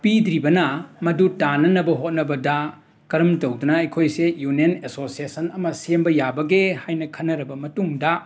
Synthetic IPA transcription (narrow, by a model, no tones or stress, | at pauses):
pidɾibɐnɐmɐdutanɐnɐbɐɦot̚nɐbɐdɐ | kɐɾɐmtowdunɐɐjkʰojsejunenesosiesɐnɐmɐsembɐjabɐɡehajnɐkʰɐnːɐɾɐbɐmɐtuŋdɐ